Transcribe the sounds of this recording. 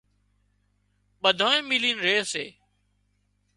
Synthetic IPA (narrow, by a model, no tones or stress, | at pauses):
ɓəd̪ʱoːẽːmiliːnɾeːsḛː